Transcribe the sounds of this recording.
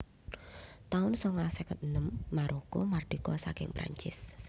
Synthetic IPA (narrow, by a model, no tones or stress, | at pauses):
t̪aʊnsɔŋlasɛkət̪̚nəmːaɾʔokomarɖ̪̥i̤kɔsakɪ̰ŋpɾa̰ɲt͡ʃɪs